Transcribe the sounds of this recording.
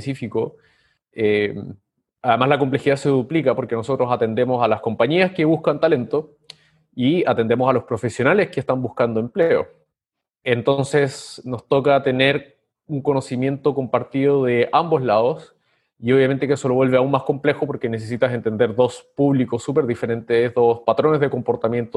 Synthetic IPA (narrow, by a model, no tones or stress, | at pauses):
pesifiko | em | aðemazlako̞mple̞xiðase̞ðuplikapo̞ɾke̞nosot̪ɾosat̪end̪e̞mo̞salasko̞mpaɲiaske̞β̞uskant̪ale̞nt̪o | iat̪e̞nd̪emosalospɾo̞fesjo̞nale̞skest̪ambuskand̪oempleo̰ | ent̪o̞nse̞sno̞st̪okat̪e̞ne̞ɾ | uŋko̞no̞simje̞nt̪o̞ko̞mpaɾt̪iðoðe̞ʔambo̞slaðos | io̞βjament̪ekeeso̞lo̞βwe̞lβeaunmasko̞mple̞xopo̞ɾkenes̬es̬it̪ase̞nt̪e̞nd̪e̞ɾðo̞spuβlikosːupe̞ɾðife̞ɾe̞nt̪ezðospat̪ɾo̞nezðeko̞mpo̞ɾt̪amje̞nt̪o